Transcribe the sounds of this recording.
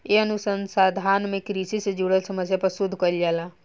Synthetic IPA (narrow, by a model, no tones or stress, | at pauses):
eənusənsad̪ʱaːnmekɾisised͡ʒuɽəlsəməsjapəɾsud̪ʱːkəld͡ʒala